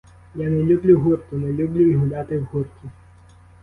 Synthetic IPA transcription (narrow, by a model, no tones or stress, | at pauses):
janɛlʲublʲuɦurt̪ʊnɛlʲublʲuiɦʊlʲat̪ɪwɦurt̪ʲʊ